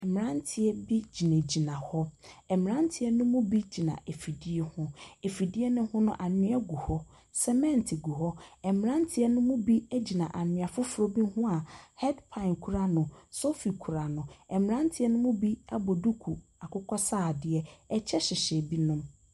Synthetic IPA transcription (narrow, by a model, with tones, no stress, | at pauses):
ɛ˨m˨ã˦ntʰɪ˨ɛ˦bi˦d͡ʑi˨næ̃˨d͡ʑi˨nã˨hɔ˦ɛ˨mɪ̃˨ɾã˦n˦tʰɪ˨ɛ˦nʊ̃˦mʊ̃˦bi˦d͡ʑi˨nã̰˨ʔe˨fi˨di˦ɛ˦hʊ̃˦e˨fi˨di˦ɛ˦nʊ̃˦hʊ̃˦nʊ̰̃˦ʔa˨nɪ̃˦ɛ˦ɡu˨hɔ˦ | sɛ˦mɛ̃˦˨ntʰɪ˨ɡu˨hɔ˦ɛ˨m˨ɾã˦n˦tʰɪ˨ɛ˦nʊ̃˦mʊ̃˦bi˦ɛ˦d͡ʑi˨nã˨ʔa˨nɪ̃˨a˨fʊ˦fʊ˨ɾɔ˦bi˦hʊ̃˦a˨hɛ˦dpʰã˨nkʰu˨ɾa˦nʊ̃˨so˦fi˨kʰu˨ɾa˨nʊ̃˨ɛ˨mɪ̃˨ɾã˦n˦tʰɪ˦ɛ˦nʊ̃˦mʊ̃˦bi˦a˦bɔ˨du˦kʰu˨a˨kʰʊ˦kʰɔ˦saː˦˨dɪ˨˦ɛ˦ɛ˨t͡ɕʰɛ˦ɕɪ˨ɕɛ˨bi˦nʊ̃˦m